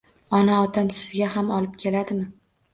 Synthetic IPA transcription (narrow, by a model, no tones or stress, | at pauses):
ɒnaɒt̪ʰamsɪzɪɡʲahamɒlˠɪp̚kʲʰe̞lad̪ɪmɪ